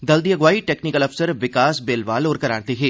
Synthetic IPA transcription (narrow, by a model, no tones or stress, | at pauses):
d̪ɐld̪ijəɡʋaːiʈeːknɪkəlɐfsəɾʋɪkaːsbeːlʋaːlɔːɾkɐɾa̰ːɾt̪eɦeː